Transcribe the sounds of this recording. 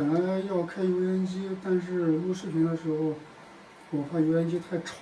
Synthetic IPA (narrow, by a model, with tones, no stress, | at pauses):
ə˨˩nla˧˥ɪjɑ˥˩ʊkʰa˥ɪju˧˥ʊjɛ˧˥nt͡ɕi˥t̪a˥˧nʂɻ̩˥˩lu˥ʂɻ̩˥˩pʰi˧˥ŋd̪ə˧ʂɻ̩˧˥xo˥˧ʊ | wɔ˨˩fa˥˩jɛ˧˥nt͡ɕi˥t̪ʰa˥˩ɪʈ͡ʂʰɑ˧˥